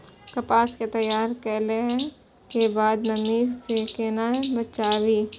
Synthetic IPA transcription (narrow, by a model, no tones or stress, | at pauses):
kəpaːsket̪əjːaːɾkɛːleɦɛ̃ | kebaːd̪nəmisekeːnabətːt͡ʃaːwiː